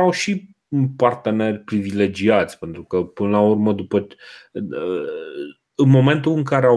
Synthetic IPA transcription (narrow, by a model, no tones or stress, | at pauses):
awʃi | part̪e̞ne̞rʲpɾivile̞d͡ʒiat̪sʲpe̞nt̪ɾukəpɨnəlaurməd̪upə | ɨnmo̞me̞nt̪uɨŋkaɾea